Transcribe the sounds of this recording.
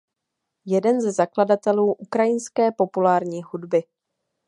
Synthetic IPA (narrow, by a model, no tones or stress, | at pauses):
jɛdɛnzɛzakladat̪ɛluːʔukɾajɪnskɛːpo̞pulaːɾɲiːɦudbɪ